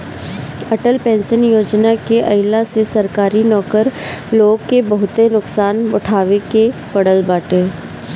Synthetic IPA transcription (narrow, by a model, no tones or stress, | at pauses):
ɐʈəlpɛ̃ːnsənjoːd͡ʒnakeʔɐjɪlasesɐɾkaːɾinɔːkəɾloːɡkebɐɦʊt̪enʊksaːnʊʈʰaːʋekepɐɽəlbaːʈeː